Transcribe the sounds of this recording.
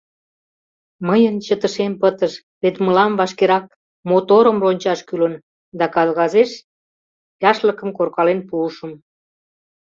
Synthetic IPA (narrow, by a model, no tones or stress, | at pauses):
məjənt͡ɕət̪əʃempət̪əʃ | βet̪məlɑmβɑʃkeɾɑk̚ | mot̪oɾəmronʲt͡ɕɑʃkylən | d̪ɑkɑlɣɑzeʃ | jɑʃləkə̆mkorkɑlenpuʃəm